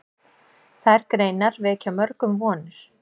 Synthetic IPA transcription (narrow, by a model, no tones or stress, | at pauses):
θaɾkɾeːjnaɾvɛɛcʰamœɾkʏmvɔːnɪɾ̥